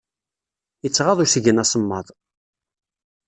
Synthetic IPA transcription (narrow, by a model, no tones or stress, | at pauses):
jət͡sːʁɑðˤʊsəʝənæsəmːɑðˤ